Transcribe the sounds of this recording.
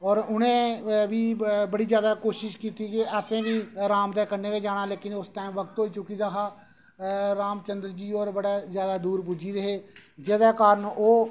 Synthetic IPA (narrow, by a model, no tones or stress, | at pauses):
ɔːɾʊnẽːbʱiːbəɽiːd͡ʒjaːd̪aːkoːʃɪʃkiːt̪iːkeɛːsẽːbiːɾaːmd̪ɛːkəɾneːkeːd͡ʒaːɽaːleːkɪnʊsʈaːimʋək̚t̪ɦoːiːt͡ʃʊkiːd̪aːɦaː | ɾaːmt͡ʃənd̪əɾd͡ʒiːɔːɾbəɽaːzjaːd̪aːd̪uːɾpʊd͡ʒiːdeɦeːd͡ʒeːd̪aːkaːɾənoː